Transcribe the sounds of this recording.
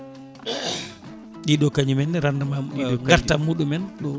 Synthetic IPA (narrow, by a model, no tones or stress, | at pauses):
ɗiɗɔkaɲumɛnːdɛɾandamamuɗiɔaɾtamːuɗumɛnɗɔ